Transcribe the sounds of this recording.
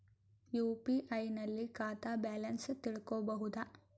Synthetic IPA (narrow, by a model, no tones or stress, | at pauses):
juːpiʔɐjnɐlːikaːt̪aːbaːlɐnst̪iɭkoːbɐɦud̪ɐ